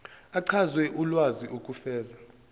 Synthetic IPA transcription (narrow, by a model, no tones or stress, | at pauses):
aǀʰazwɛʔulwaziʔukʼufɛːza